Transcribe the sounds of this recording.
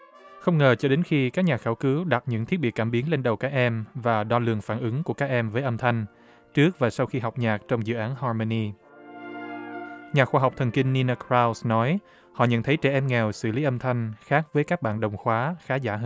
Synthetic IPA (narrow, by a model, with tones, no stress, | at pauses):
xə˧wŋ͡mŋəː˨˩t͡ɕɔ˧ɗe˨˦nxi˧kaː˦˥k̚ɲaː˨˩xaː˧˩wkɨ˨˦wɗa˨˩t̚ɲɨ̰˧˥ŋʰi˦˥t̚ɓi˨˩kːaː˧˩mɓi˨˦ənle˧nɗə˨˩wkaː˦˥k̚ʔɛ˧mvaː˨˩ɗɔ˧lɨ̰˨˩əŋfaː˧˩nʔɨ˨˦ŋku˧˩əkaː˦˥k̚ʔɛ˧mvəː˨˦jʔə˧mt̪ʰa˧jŋ̟ | t͡ɕɨ˦˥ək̚vaː˨˩sa˧wxi˧ɦa˨˩wk͡p̚ɲaː˨˩k̚t͡ɕɔ˧wŋ͡mzɨ̰˧˨ʔaː˨˦nɦɔ˧mo˧ni˧ | ɲaː˨˩xwaː˧ɦwk͡p̚t̪ʰə˨˩nkï˧ŋ̟ni˧na˧kɹa˧wsnɔ˨˦j | hɔ̰˧˨ɲə̰˧˨nt̪ʰə˨˦jt͡ɕɛ˧˩ʔɛ˧mŋɛ˨˩wsɨ̰˧˩li˨˦ʔə˧mt̪ʰa˧jŋ̟xaː˦˥k̚vəː˨˦jkaː˦˥k̚ɓa̰ː˧˨nɗə˨˩wŋ͡mxwaː˨˦xaː˨˦zaː˧˩˧